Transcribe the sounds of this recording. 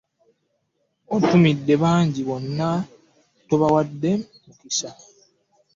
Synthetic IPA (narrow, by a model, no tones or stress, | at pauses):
otumidːe̞βaːɲɟiβonːa | toβawadːe | mukisa